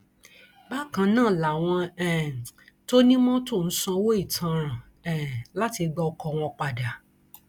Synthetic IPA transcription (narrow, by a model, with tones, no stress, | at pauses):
ba˦kã˧nãː˦˨la˨w̃ɔ̃˧ɛ̃˨to˦nĩ˦mɔ̃˦to˦˨n̩˦sɔ̃˧wo˦i˦˨tʰã˨˧ɾ̃ã˨ | ɛ̃˨la˦ti˧ɡ͡bɔ˧kɔ˧w̃ɔ̃˧k͡pa˨da˨